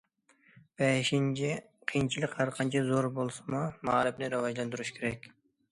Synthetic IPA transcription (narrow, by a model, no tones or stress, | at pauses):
b̥eʃint͡ʃʰi | qʰijnt͡ʃʰilˠɨkhæɾqʰɑnt͡ʃʰɛzoɾbolˠsmumɑːɾɨpnɪɾɑwɑʒlɑnd̪uɾuʃkʲʰeɾɛkʲ